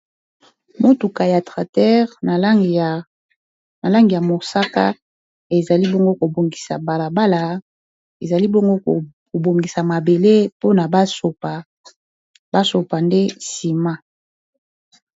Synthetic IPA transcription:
mo˦tu˨ka˨ja˨tʁa˨tɛ˦ʁ | na˨la˦ŋɡi˨ja˨mo˨sa˦ka̰˦ | e˨za˨li˦bɔ˦ŋɡo˦ko˨bo˨ŋɡi̥˨sa̰˨ba˨la˨ba˦la˨ | e˨za˨li˦bɔ˦ŋɡo˦˨ | ko˨bo˨ŋɡi˨sa˨ma˨be˨le˦po˦na˨ba˦so˨pa˨ | ba˦so˨pa˨nde˦si˨ma˦

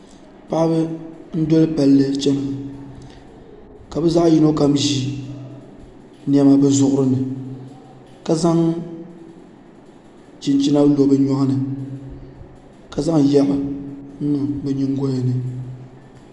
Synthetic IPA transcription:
pa˦ʔbɛ˦n̩˦dɔ˦lɨ˦pa˨lːɨ˦t͡ʃɛ˦nɨ˨a˨ | ka˨bɛ˦za˦ʔji˦no˦ka˨m˦ʒi˨ | n˦ɛ˨ma˨bɛ˦zʊ˨ʔʊ˦ɾɨ˦nɨ˨ | ka˨za˦ŋ | t͡ʃi˨nt͡ʃi˦na˦blo˨bɨ˦ɲɔ˦hnɨ˨ | ka˨za˦ŋ˨ja˦ʔʊ˦nu˦bɛ˨ɲi˦ŋ˦ɡo˦ja˨nɨ˨

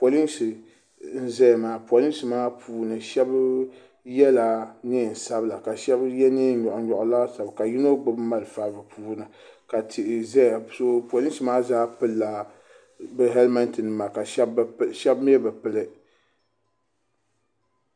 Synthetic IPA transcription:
po˨li˦nsi˨ | n̩˦zɛ˦jmaː˨˦po˨li˦n˦sɨ˨maː˦pʰuː˦nɨ˨ʃɛ˦b | jɛ˦la˨nɨ˦˨n˨sa˦bla˨ka˨ʃɛ˦bjɛ˦nɨ˦ɲɔ˨ʔʊ˨˦ɲɔ˨ʔʊ˨la˦sa˨bka˨ji˦no˦ɡ͡bɨ˦bma˦lɨ˨fa˦bɨ˨pʰuː˦nɨ˨ | ka˨tʰɪ˨ʔɪ˨zɛ˦˨so˦po˨li˦n˦sɨ˨maː˦zaː˦pɨ˦lːa˨ | bɨ˦ɦɛ˦lma˦ntɨ˨nɨ˨ma˨ka˨ʃʃɛ˦bm˦ɛ˦bɨ˨pɨ˨lɨ˦

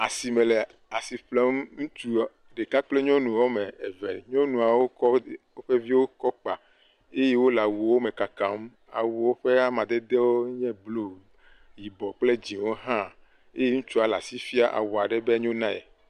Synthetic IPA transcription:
a˨si˨me˨lɛ˨ | a˨si˨ɸlɛ˦mŋũ˦t͡ʃu˦ | ɖe˨ka˦k͡plɛ˦ɲɔ̃˦nũ˨wɔ˦me˨e˨vɛ˨ɲɔ̃˦nũ˨a˨wo˦kɔ˦wo˦ɸe˦vi˦wo˦kɔ˦k͡pa˨ | e˦je˦wo˦la˨wu˨wo˦me˨ka˨ka˨m˦ | a̰˨wu˨wo˦ɸe˦a˦mã˨d̪ɛ˦d̪e˦wo˦ɲɛ̃˦blo˦˨ | ji˨bɔ˨k͡ple˦d͡ʑi˨wo˦ɦã˦˨ | e˦je˦ŋũ˦t͡ʃu˦a˨la̰˨si˦fi˦a˦ʔa̰˨wɔ˨a˨ɖɛ˦be˦ɲo˦nã˦ɛ̰˨

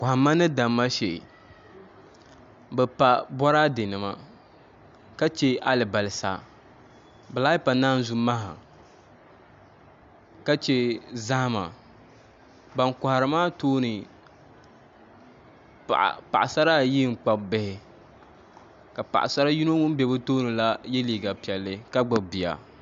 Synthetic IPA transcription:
ka˨ha˨mːa˦nɨ˦da˨mːa˦ʃe˨ʔ | bɛ˨pa˨bɔ˦ɾa˦de˨nɨ˨ma̰˦ | ka˦t͡ʃɛ˦a˦lɨ˨ba˨lɪ˨sa̰˨ | bɛ˨la˦ɪ˦pa˨naː˦n˦zu˦ma˦ha̰˨ | ka˦t͡ʃɛ˦za˦hma̰˨ | ba˨ŋka˨ha˨ɾɨ˨˦maː˦toː˦nɨ˨ | ʔpa̰˨ʔa˨sa˦ɾa˦˨ji˦ŋ͡m̩˨k͡pa˨bbɛ˨hɪ˨ | ka˨pa̰˨ʔa̰˨sa˦ɾa˦ji˦no˦ŋʊ˦m˦bɛ˨˦bɨ˦toː˦nɨ˨la˦jɛ˦liː˨ɡa˨pi˨ɛ˨lːɨ˦ka˦ɡ͡bɨ˨bi˨a̰˨

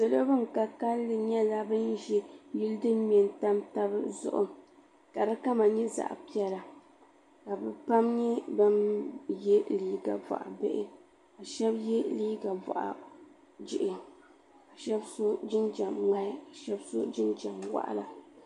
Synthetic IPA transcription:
sɨ˨lo˦bɨ˦ŋ˨ka˨ka˦lːɨ˨ɲɛ˦la˦bɨ˦nʒi˦ji˦ldɨ˦nmɛ˨nta˦mta˦bɨ˦zʊ̰˦ʔʊ̰˦ | ka˨ɾa˦ka˦ma˨ɲɛ˦za̰˨ʔpi˦ɛ˦la˨ | ka˨bɛ˨pa˦mɲɛ˦ba˦mjɛ˦liː˦ɡa̰˨va̰˨ʔa̰˨bḛ˦ʔɪ˦ | a˨ʃɛ˦bjɛ˦liː˦ɡa˨vɔ̰˨ʔa̰˨ | d͡ʒɪ˨ʔɪ˨ | a˨ʃɛ˦bso˦d͡ʒɪ˦nd͡ʒa˨mma˦a˨ʃɛ˦bso˦d͡ʒɪ˦nd͡ʒa˨mwa̰˦˨ʔla˨

